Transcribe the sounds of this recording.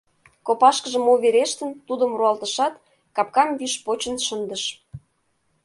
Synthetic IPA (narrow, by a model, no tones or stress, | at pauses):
kopɑʃkəʒə̆moβeɾeʃt̪ənt̪ud̪ə̆mruɑlt̪əʃɑt̪ | kɑp̚kɑmβyʃpot͡ɕə̆nʃənd̪əʃ